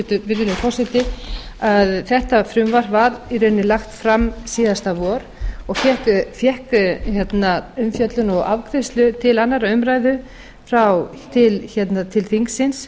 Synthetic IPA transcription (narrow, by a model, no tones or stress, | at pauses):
t̪ʏɾvɪɾɪlɪpʰɔsɪt̪ɪaðθɛht̪afɾʏmvar̥vaɾiɾʏnːɪlaxt̪fɾamːsiːðast̪avɔɾɔɣfjɛhkfjɛhkçjɛt̪naʏmfjœt̪lʏnɔɣa̰vkʰɾɪst̪lʏt̪ʰɪlanːaɾaʏmɾaːjðʏ | fɾaw | t̪ʰɪlçɛt̪nat̪ʰɪlθiŋksɪns